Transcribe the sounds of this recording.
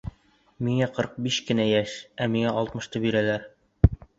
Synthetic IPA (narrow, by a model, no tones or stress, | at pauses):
miŋæqʰɤ̆ɾq̚biʃkɘ̆næjæʃæmiŋæɑlˠt̪mɤ̆ʃt̪ɤbiɾælæɾ